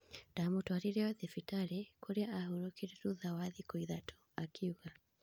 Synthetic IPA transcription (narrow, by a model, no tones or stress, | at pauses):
damɔtwaɾiɾɛwaðɛfitaɾɛkʰɔɾiaʔaɦuɾɔkiɾiɾuðawaðikɔiðatʰu̥ | akʰiuɣa